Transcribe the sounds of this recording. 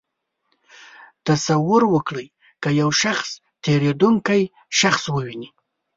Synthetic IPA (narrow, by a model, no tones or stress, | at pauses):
t̪asawʊɾwəkɽəj | kəjawʃaxs | t̪eɾed̪uŋkaj | ʃaxswəwini